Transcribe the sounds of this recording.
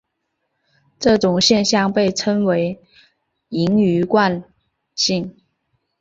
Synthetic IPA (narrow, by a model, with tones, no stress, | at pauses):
ʈ͡ʂɤ˥˩ʈ͡ʂʊ˨˩ŋɕjɛ˥˧nɕjɑ˥˨ŋpe˥˩ɪʈ͡ʂʰɤ˥ŋwe˧˥ɪ | i˧˥ŋy˧˥kwa˥˧n | ɕi˥˩ŋ